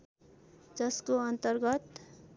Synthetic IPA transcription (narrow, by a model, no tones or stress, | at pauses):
d͡zʌskoʌnt̪əɾɡʌt̪